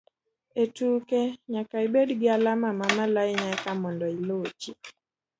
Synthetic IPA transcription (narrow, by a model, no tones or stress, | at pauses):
etukɛɲakaibɛdɡalamamamalaiɲakamɔndɔilot͡ʃi